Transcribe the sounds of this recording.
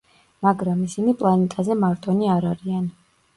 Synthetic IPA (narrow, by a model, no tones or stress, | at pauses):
maɡɾamisinipʼlˠanɛt̪ʼazɛmaɾt̪ʼɔniaɾaɾian